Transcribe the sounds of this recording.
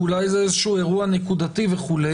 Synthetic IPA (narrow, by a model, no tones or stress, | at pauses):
ulajzeezeʃueʁuanekud̪at̪iveχule